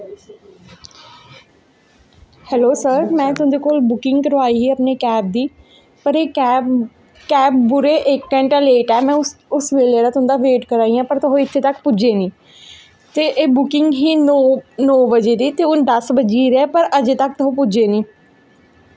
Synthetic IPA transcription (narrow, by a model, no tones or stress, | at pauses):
hɛːloːsəɾmɛ̃ːt̪ʊɦnd̪eːkoːlbʊkɪŋɡkəɾʋaːiːɦiːəpneːkɛːp̚d̪iː | pəɾeːɛː | kɛːp̚bʊɾeːʔeːkːə̃ɳʈaːleːʈɛːmɛ̃ːʊʊsʋeːled̪aːt̪ʊɦnd̪aːʋeːʈkəɾaːiːãːpəɾt̪ʊɦõːɪt̪ʰːeːt̪əkpʊd͡ʒeːnĩː | t̪eːʔeːbʊkɪŋɡɦiːnːnɔːbəd͡ʒeːd̪iːt̪eːʊnd̪əsbəd͡ʒiːɾɛːpəɾəd͡ʒeːt̪ək̚t̪ʊɦõːpʊd͡ʒeːnĩː